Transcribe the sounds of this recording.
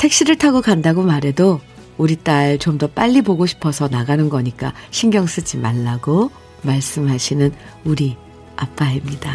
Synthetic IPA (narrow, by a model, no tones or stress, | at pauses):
tʰe̞k̚ɕ͈iɾɯɭtʰaɡokandaɡomaɾe̞do | uɾit͈aɭt͡ɕomdʌp͈aʎːipoɡoɕʰi̥pʰʌsʰʌnaɡanɯnɡʌɲik͈aɕʰinɡjʌŋs͈ɯd͡ʑimaɭːaɡo | maɭs͈ɯmɦaɕʰinɯn | uɾi | ap͈aɦemɲida